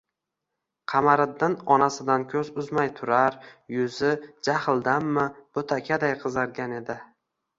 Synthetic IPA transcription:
qʰɑmaɾɪd̪ɪnɒnasɪd̪ankʲʰɵzʊzmajt̪ʰʊɾaɾjʊzɪd͡ʒahɪlˠd̪amːɪb̥ot̪ʰakʲʰad̪ajqʰɨzaɾɡʲane̞d̪ɪ

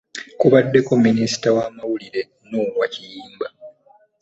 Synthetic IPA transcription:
kuβadːe̞ko̞mːinisi̥tawaːmawuliɾe̞ | noːwacijiːmba

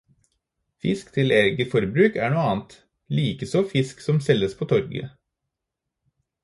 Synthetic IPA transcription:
fɪskt̪ʰɪlɛɾɡəfɔɾbɾʉːkæːɳuːəɑːnt̪ | liːkəsɔfɪsksɔmsɛlːəspʰoːt̪ʰɔɾɡə̰

